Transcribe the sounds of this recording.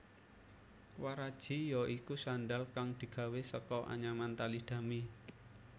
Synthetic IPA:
waɾad̥ʒ̥i̤jɔʔikusanɖalkaŋd̪̥i̤ɡ̥ä̤wesəkɔʔa̰ɲamant̪alihd̪̥ä̤mi

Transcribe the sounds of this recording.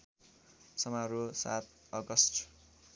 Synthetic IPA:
sʌmaɾosa̰t̪̚ʌɡʌsʈ

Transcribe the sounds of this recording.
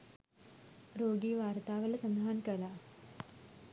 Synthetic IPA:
ɾoːɡiːʋaːɾt̪aːʋɐlɐsɐnd̪aɦankɐla

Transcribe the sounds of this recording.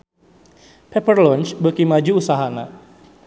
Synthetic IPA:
pɛpərlɔnt͡ʃbəkimad͡ʒuusaɦana̰

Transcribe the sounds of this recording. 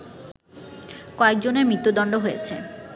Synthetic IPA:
kɔek̚d͡ʑoneɾmɾit̪ːod̪ɔɳɖoɦojet͡ɕʰe

